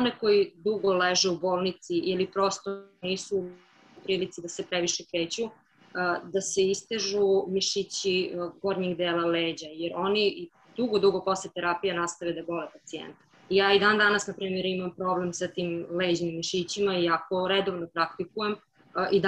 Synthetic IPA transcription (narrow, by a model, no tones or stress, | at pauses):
oneko̞jid̪uɡo̞leʒɛuboːlˠnit̪siʔilipɾo̞st̪oniːsu | upɾiːlit̪sid̪asepɾeʋiʃekɾeːt͡ɕu | d̪aseist̪eʒumiʃit͡ɕiɡo̞ɾɲiɡd̪eːlaleːd͡ʑajeɾo̞ni | d̪uɡod̪uɡo̞po̞slet̪eɾapijanast̪aʋed̪abo̞lepat̪siḛnt̪ | ijaːid̪and̪anasnapɾiːmeɾimampɾo̞blemsat̪iːmled͡ʑnimːiʃit͡ɕimaiako̞ɾed̪oʋnopɾakt̪ikujem | ʔid̪